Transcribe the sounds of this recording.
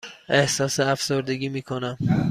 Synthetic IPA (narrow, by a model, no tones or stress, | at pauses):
ʔehsɒseafsoɾd̪eɡʲimiːkʰonam